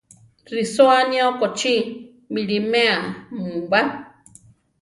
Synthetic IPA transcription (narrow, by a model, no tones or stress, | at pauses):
risoanĩokot͡ʃi | miɾimẽamũɡ͡ba